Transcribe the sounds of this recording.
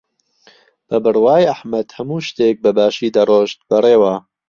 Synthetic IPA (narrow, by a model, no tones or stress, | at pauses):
b̥ɐbɨɾwaːjʔaħmɐd̪hɐmuːʃt̪eːk̚bɐbaːʃiːd̪ɐroːʃt̪̚bɐreːwaː